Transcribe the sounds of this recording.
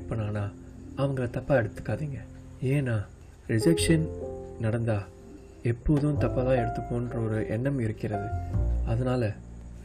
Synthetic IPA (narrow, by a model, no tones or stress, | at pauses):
pːɐnːaːnaː | ɐʋɐŋɡɐɭɐt̪ɐpːaːɛɽɯt̪ːɯ̥kːaːðiːŋɡɐ | eːnaː | ɾɪd͡ʒɐːkʂɐnnɐɽɐnd̪aː | ɛpːoːðɯ̃t̪ɐpːat̪ãːɛɽɯt̪ːɯpːõːndrɐɔɾɯʔɛnːɐmɪɾɯkːɪɾɐðɯɐðɐnaːlɐ